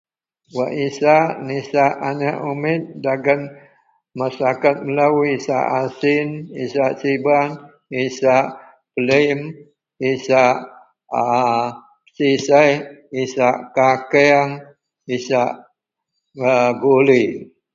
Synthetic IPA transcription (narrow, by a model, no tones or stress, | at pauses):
waʔisaʔnisaʔanaʔumɪt̪̚daɡən | masakat̪̚məlawisa̰ʔasinḭsaʔsiban | isaʔ | pələm | isaʔ | sisajisaʔkakɛaŋ | isaʔ | ɡoli